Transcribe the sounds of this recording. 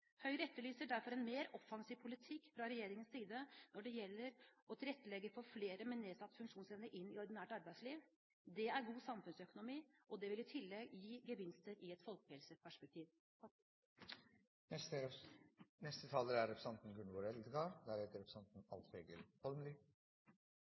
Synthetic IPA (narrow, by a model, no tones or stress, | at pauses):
hœʏɾɛt̪ːəlyːsəɖæɾfɔɾɛnmeːɾɔfɑŋsiːʋpʰʊlɪt̪ʰɪkːfɾɑɾɛjeːɾɪŋənsiːd̪ənɔɖɛjɛlːəɾʔɔt̪ʰɪlɛt̪ːəlɛɡːəfɔɾfleːɾəmɛnːeːsɑt̪ːfʉŋkʂuːnsɛʋnəʔɪnːɪɔɾd̪ɪnæːʈɑɾbæɪsliːʋ | d̪ɛæɾɡuːsɑmfʉnsœkʊnʊmiːʔɔd̪ɛʋɪlɪt̪ʰɪlːɛɡjiːɡəʋɪnst̪əɾɪɛt̪fɔlkhɛlsəpʰæʂpɛk̚t̪ʰiːʋ | nɛst̪ət̪ʰɑːləɾæɾɾɛpʰɾəsɑnt̪n̩ɡʉnʋoːɾɛld̪ɡɑd̪æɾheːt̪əɾɛpɾsɑnt̪n̩ɑ̰lt̪eːɡəɾhɔlmli